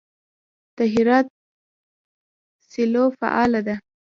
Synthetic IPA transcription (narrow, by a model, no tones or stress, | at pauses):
d̪̥aɦɪɾɑt̪̚ | sɪlofa̰ʔɑlad̪a